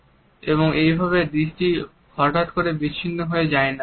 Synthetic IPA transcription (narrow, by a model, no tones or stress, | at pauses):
eβoŋejbʱaβed̪iʃʈi | hɔʈat̪koɾebit͡ɕːʰinːoɦoed͡ʑaena